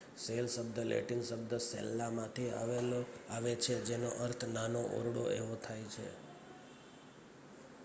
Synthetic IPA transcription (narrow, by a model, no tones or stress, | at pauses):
selsəbd̪əlḛʈinsəbd̪əsḛlːamãt̪ʰia̰ʋeoaʋet͡ʃʰed͡ʒeno̰ʔəɾt̪ʰnanoʔo̰ɾɽoʔeʋot̪ʰajt͡ʃʰḛ